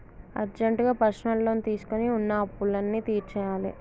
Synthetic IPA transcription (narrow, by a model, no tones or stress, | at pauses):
ɐ̰ɾd͡ʒeɳʈɡaːpɐʃnɐlːo̞ːnit̪iːsu̥koniunːɐɐpːulɐnːiːt̪iːɾt͡ʃɛːjaːlḭ